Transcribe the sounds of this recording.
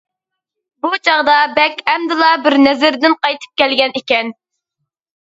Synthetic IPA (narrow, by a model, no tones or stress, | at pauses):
but͡ʃʰɑʁd̪ɑbɛkʲɛmd̪ɪlˠɑbɪɾnɛzɪɾd̪ɪnqɑjt̪ʰɨ̥p̚kʲɛlɡʲɛnɪkʲɛn